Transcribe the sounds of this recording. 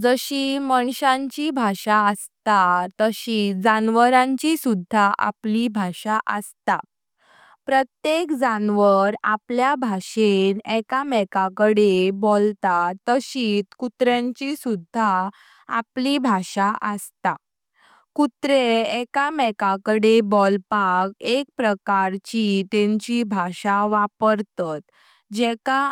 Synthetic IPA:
d͡zəɕiməɳɕãɲt͡ɕibʱaʂaəst̪at̪əɕiːd͡zanʋəɾãɲt͡ɕisud̪ʱːaʔa̰plibʱaɕaʔəst̪a | pɾət̪jekd͡zanʋəɾapljabʱaɕenɛkamɛkakəɽebolt̪at̪əɕiːt̪kut̪ɾjãɲt͡ɕisud̪ʱːa | a̰plibʱaɕaʔəst̪a | kut̪ɾeɛkamɛkakəɽebɔlpakek̚pɾəkaɾt͡ɕit̪ẽɲt͡ɕibʱaʂaʋapəɾt̪at̪ | d͡ʑɛka

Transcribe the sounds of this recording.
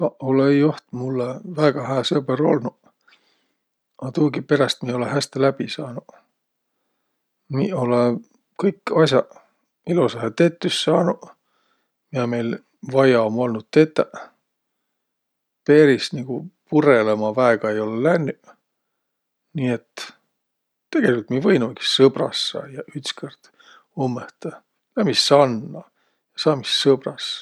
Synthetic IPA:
ɑolejoht̪mulːevæːɡ̥ɑhæːsebeɾo̞̰lnu | ɑt̪uːɡipe̞ɾɑst̪̚mio̞leɦæst̪elæb̥isɑːnu | nḭːole | kɤjkːɑsʲjɑ | ilusehet̪et̪ːysːɑːnu | miɑme̞jl | vɑjɑomːo̞lnut̪̚t̪ːe̞t̪ːæ | pe̞ːɾisniɡ̥upurelemɑvæeɡ̥ɑe̞jo̞lelænːy | niːet̪ː | t̪ːe̞ɡ̥e̞lʲikult̪mivɤjnuki̥ssɤbrɑ̰sːɑ̰ːjɑyt̪skʰert̪ | omːeht̪ɑ | læmisːɑnːɑ | jɑsɑːmisːɤb̥rɑs

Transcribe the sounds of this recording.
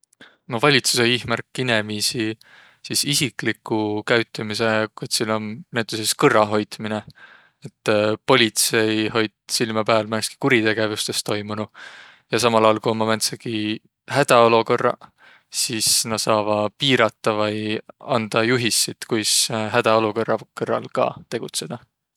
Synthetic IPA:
novɑlʲit̪su̥sejihmærkːine̞misi | sisisiklikːukæɥt̪ːˑimise̞kut̪silo̞nnæt̪ːˑeseskɤrːɑɦo̞jt̪mine | et̪ːpo̞lʲit̪se̞jho̞jt̪silmɑpæːlmænski̥kuɾit̪e̞ɡ̥e̞vust̪e̞st̪o̞jmunu | jɑs̬ɑmɑlɑjɑlkuonmɑmænt̪sɑɡi | hæd̪̥ɑoluko̞rːɑ̰ | sisnɑsɑːvɑpiːɾɑt̪ːˑɑvɑjɑnd̪̥ɑjuɦisːit̪kujsɦæd̪̥ɑo̞luko̞rːɑkɤrːɑ̰lkɑ̰ːt̪e̞ɡ̥ut̪se̞d̪̥ɑ

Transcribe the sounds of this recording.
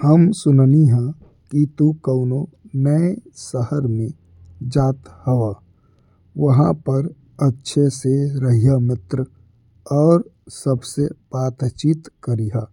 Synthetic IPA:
həmsʊnniɦɛ̃ | kit̪ukəʊno | nəesəhəɾmẽ | d͡ʒaːt̪həʋa | ʋəɦãpəɾ | ətːʃʰeseɾəɦijamɪt̪ɾə | ɔːɾsəbseb̥aːt̪t͡ʃiːt̪kəɾiɦaː

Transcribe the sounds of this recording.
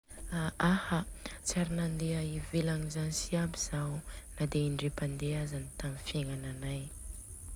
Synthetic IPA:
aahat͡siaɾinand̪eaivelaŋizanisiabiz̥anad̪einɖ͡ʐepand̪eazanit̪amifieŋananaj

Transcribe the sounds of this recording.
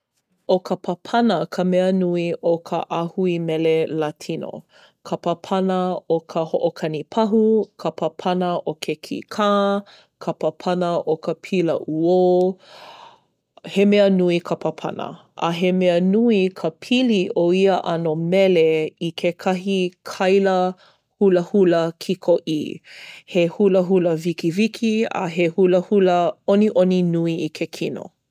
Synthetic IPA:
okʰəpʰɐpʰɐnəkʰəmɛənuiokʰə̰ʔahuimɛlelatʰino̰ | kʰəpɐpʰɐnəokʰəhoʔokʰɐnipʰɐɦukʰəpʰɐpʰɐnəʔokʰekʰḭkʰaː | kʰəpəpʰɐnəʔokʰəpʰilə̰ʔuo | hemeənuikʰəpʰəpʰɐ̰nə̰ | ʔɐ̰ɦemeənuikʰəpʰiliʔoiəʔɐnomɛleikʰekʰɐɦikʰɐjlə | huləhuləkʰikʰoʔḭhehuləɦuləvikivikʰiɐ̰ɦehuləhuləoniʔoninuiikʰekʰino̰

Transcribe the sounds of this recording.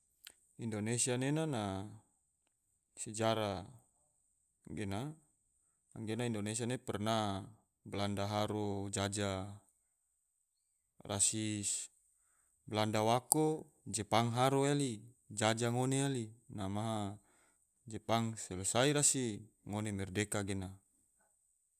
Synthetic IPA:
indonesianenana | sɛd͡ʒaɾa | ŋɡena | ŋɡenaindonesianepɛrna | blandaɦaɾod͡ʒad͡ʒa | ra̰si | blandawako | d͡ʒɛpaŋɦaɾoeli | d͡ʒad͡ʒaŋonealinamaɦa | d͡ʒepaŋsɛlusaiɾasi | ŋonemɛrdekaɡena

